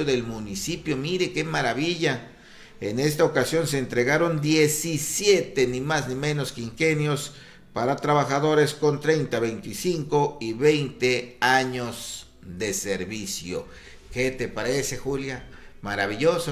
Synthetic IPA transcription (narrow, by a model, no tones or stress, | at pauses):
oðe̞lmunisipjo̞miɾe̞ke̞maɾaβiʝa | ene̞st̪aokasjo̞nseːnt̪ɾe̞ɣaɾo̞nd̪je̞sisjet̪e̞nimaznimẽ̞no̞skeiŋxenjo̞s | paɾat̪ɾaβaxaðo̞ɾe̞sko̞nt̪ɾe̞jnt̪aβe̞jnt̪isiŋko̞iβe̞jnt̪eaɲo̞z | ðe̞se̞ɾβisjo̰ | ke̞t̪e̞paɾesexulja | maɾaβiʝoso